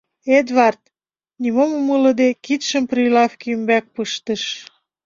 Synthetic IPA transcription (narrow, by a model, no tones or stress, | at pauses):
ed̪βɑrt̪̚ | nimomumələ̆d̪ekit̪ʃə̆mprilɑfkimbæk̚pɯʃt̪əʃ